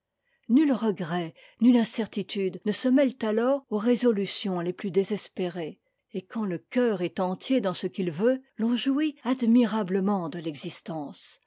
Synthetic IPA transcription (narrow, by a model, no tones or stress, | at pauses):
nylʁəɡʁɛ | nylɛ̃sɛʁt̪it̪yd̪nəsəmɛlt̪alɔːʁoʁezɔlysjɔ̃leplyd̪ezɛspeʁe | ekɑ̃ləkʲœʁɛt̪ɑ̃t̪ʰjed̪ɑ̃səkʲilvølɔ̃ʒuiad̪miʁabləmɑ̃d̪əlɛɡzist̪ɑ̃ːs